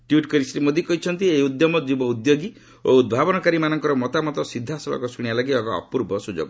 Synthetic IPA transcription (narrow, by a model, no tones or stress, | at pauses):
ʈjuʈkɔɾisɾimod̪ikɔɦit͡ʃʰɔnt̪iejud̪jɔmɔd͡ʒubɔud̪joɡi | oud̪̚bʱabɔnɔkaɾimanɔŋkɔɾɔmɔt̪amɔt̪ɔsid̪ʱːasɔlɔ̰kɔsuɽ̃ialaɡiɔkɔɔ̰puɾbʱɔsud͡ʒo̰ɡɔ